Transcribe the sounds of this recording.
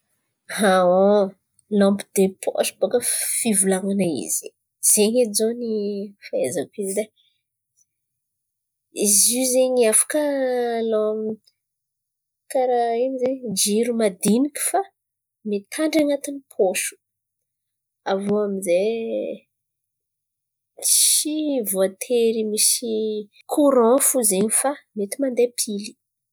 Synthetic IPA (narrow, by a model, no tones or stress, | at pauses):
hao | lɔ̃mpid̪̥epʰo̰ʃbokəfivulaŋanaḭz̥i̥ | z̥eɲezonifaezakizid̪e | izizeɲafḁkəlom | kaɾaimizeɲd͡ʒiɾumad̪iniku̥fa | met̪ʰaɳɖ͡ʐaŋat̪inipʰoʃu̥ | avoamize | sivoat̪ʰeɾimisi | kʰuɾɔ̃fuzeɲifamet̪imand̪epʰili̥